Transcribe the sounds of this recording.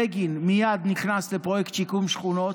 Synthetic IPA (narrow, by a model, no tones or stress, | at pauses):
ɛɡinmijad̪nikʰnast̪ɛpɔɛkt̪t͡ʃʰikʰumʃχunɔ